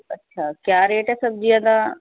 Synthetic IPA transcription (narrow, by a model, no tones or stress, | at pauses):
ətːɕʰaːkjaːɾeːʈɦɛːsəb̚d͡ʒiːãt̪ã